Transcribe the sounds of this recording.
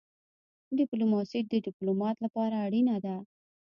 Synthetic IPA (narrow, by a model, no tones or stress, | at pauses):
ɖɪplumɑsid̪əɖɪplomɑt̪lapɑɾaːɽinad̪a